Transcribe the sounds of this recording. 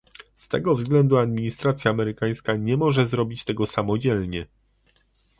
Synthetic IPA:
st̪ɛ̰ɡɔvzɡlɛnd̪uad̪̚mʲiɲist̪ɾat̪sʲjaːmɛɾɘkaj̃skaɲɛmɔʐɛzɾɔbʲit͡ɕt̪ɛɡɔsamɔd͡ʑɛlɲɛ

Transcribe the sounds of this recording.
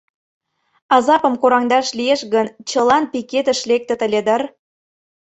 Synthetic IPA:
ɑzɑpə̆mkoɾɑŋd̪ɑʃlieʃɣənt͡ɕəlɑnpiket̪ə̆ʃlek̚t̪ə̆t̪ə̆lʲed̪ər

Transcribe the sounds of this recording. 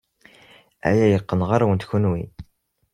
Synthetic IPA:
æ̰jæjəqːənʁaɾawənt̪çunwḭ

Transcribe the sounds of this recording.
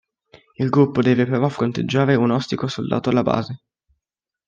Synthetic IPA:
ilɡɾupːod̪ɛːvepɾeɾɔfɾont̪ḛd͡ʒːaːɾeunɔst̪ikosold̪a̰ːt̪oalːaba̰ːze

